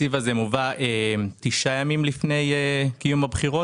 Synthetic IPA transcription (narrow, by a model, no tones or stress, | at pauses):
ivazemuvaʔet̪iʃajamimlifne̞jekijumabχiʁo